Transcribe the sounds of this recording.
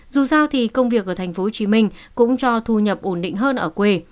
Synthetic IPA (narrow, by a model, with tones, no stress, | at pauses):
zu˨˩saː˧wt̪ʰi˨˩kə˧wŋ͡mvi˨˩ək̚ʔəː˧˩t̪ʰŋ̟fo˨˦ho˧˩t͡ɕi˨˦mï˧ŋ̟kʊ̰˧˥ŋ͡mt͡ɕɔ˧t̪ʰu˧ɲə˨˩p̚ʔo˧˩nɗḭ̈˧˨ŋ̟ɦəː˧nʔəː˧˩kwe˧